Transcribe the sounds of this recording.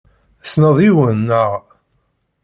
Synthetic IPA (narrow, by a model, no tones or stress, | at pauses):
snəðˤiwənːəʁ